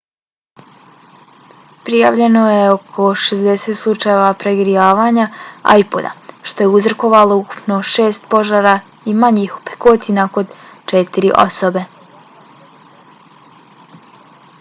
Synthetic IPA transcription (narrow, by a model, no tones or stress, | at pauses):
pɾija̰ʋʎe̞no̞jeo̞kʰo̞ʃezd̪eset̪slˠut͡ʃajeʋapɾeɡɾijaːʋaɲaa̰jpo̰d̪a̰ʃt̪o̞je̞uzɾoko̞ʋalo̞uku̥pno̞ʃeːst̪po̞ʒaːɾa | imaɲihu̥pe̥koːt̪inako̞nt͡ʃɛt̪iɾiʔo̰sobe̞